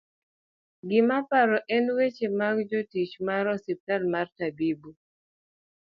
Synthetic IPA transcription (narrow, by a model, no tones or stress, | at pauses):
ɡɪmapaɾɔʔɛnwet͡ʃemaɡd͡ʒotit͡ʃmaɾɔsip̚talmartabibu